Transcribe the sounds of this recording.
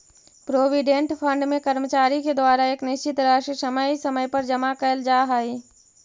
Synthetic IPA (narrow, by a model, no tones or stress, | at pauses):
pɾoːʋiɖẽɳʈpʰɐ̃ɳɖmẽkɐɾmət͡ʃaːɾiked̪waːɾaeːknɪʃt͡ʃɪt̪ɾaːʃsɐməisɐməjpɐɾd͡ʒɐmakəld͡ʒaːɦaːiː